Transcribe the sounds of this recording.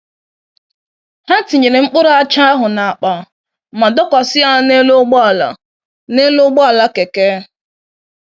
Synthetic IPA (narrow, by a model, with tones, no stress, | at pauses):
ha˦ti˨ɲe˨ɾe˨ŋ͡m̩˦k͡pʊ˦ɾʊ˦a˦t͡ʃa˦a˦ɦʊ˨na˨a˨k͡pa˨ | ma˨dɔ˦kʷɔ˨sɪ˦a˦˨ne˦lo˦ɡ͡bɔ˦˨la̰˨ | ne˦lo˦ɡ͡bɔ˦a˨la˦ke˨ke˦